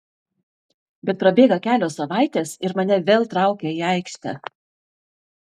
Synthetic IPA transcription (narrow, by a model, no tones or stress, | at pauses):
bʲɛt̪pɾɐbʲeːɡɐkʲæːlʲoːsɐʋɑˑɪt̪ʲeːsɪɾmɐnʲɛʋʲeːlˠt̪ɾɑˑʊkʲɛiːæɪkʃʲt̪ʲɛ̰